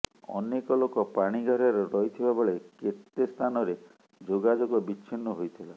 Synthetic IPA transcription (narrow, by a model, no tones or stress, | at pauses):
ɔ̰nekɔlokɔpaɽ̃iɡʱɔɾeɾɔɾɔɦit̪ʰibabɔɭeket̪est̪ʰanɔɾe | d͡ʒoɡad͡ʒoɡɔbit͡ʃʰinːɔɦojt̪ʰila